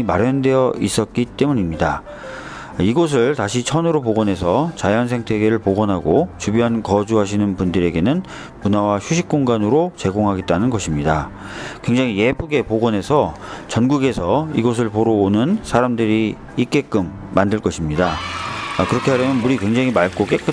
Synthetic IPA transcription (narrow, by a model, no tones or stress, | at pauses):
imaɾjʌnde̞jʌis͈ʌt̚k͈it͈e̞muɲimɲida | iɡos̬ʰɯɭtaɕʰit͡ɕʰʌnɯɾopoɡʌnɦe̞s̬ʰʌt͡ɕajʌns̬ʰe̞ŋtʰe̞ɡeɾɯɭpoɡʌnɦaɡot͡ɕubjɦankʌd͡ʑuɦaɕʰinɯnpundɯɾe̞ɡe̞nɯn | munawaɕʰuɕʰik̚k͈oŋɡanɯɾot͡ɕe̞ɡoŋɦaɡe̞t̚t͈anɯnɡʌɕʰimɲida | kwe̞ŋd͡ʑaŋɦije̞pʰuɡe̞poɡʌne̞sʰʌt͡ɕʌnɡuɡe̞sʰʌiɡʌs̬ʰɯɭpoɾoonɯnsʰaɾamdɯɾiː | k͈e̞k͈ɯmːandɯɭk͈ʌɕʰimɲida | kɯɾʌkʰeɦaɾjʌmjʌnmuɾikwe̞ŋd͡ʑaŋɦimaɭk͈ok͈e̞k͈ɯ